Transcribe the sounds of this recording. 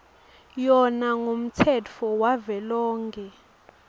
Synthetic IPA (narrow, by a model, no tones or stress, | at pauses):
jɔnaŋom̩tʰɛt͡fʰɔwavɛlɔːŋkʰʼɛ